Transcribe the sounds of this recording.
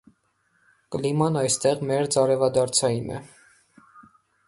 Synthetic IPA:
kəlimɑnɑjst̪ɛʁmɛɾd͡zɑɾɛvɑd̪ɑɾt͡sʰɑjinɛ̰

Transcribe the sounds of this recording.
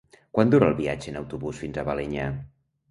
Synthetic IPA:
kwand̪uɾalˠβiad͡ʒənəwt̪uβusfinzəβalɛɲa

